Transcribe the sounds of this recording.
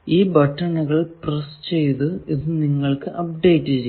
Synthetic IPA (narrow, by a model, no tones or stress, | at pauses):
iːbɐʈːɐnːɐɣɐɭprɐst͡ɕe̞jt̪uiðɨniŋːɐɭkɨʔɐp̚ɖe̞jtːɨt͡ɕe